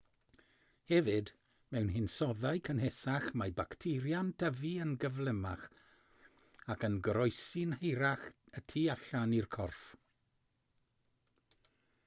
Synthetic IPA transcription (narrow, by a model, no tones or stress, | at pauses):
hɛvɨd | mɛwnɦɪnsɔðajkʰənɦɛsaχmajbaktʰɪɾjand̥ʰəviənɡəvlɛmaχ | akənɡəɾɔjsinhejɾaχətʰiːaɬanirkʰɔrf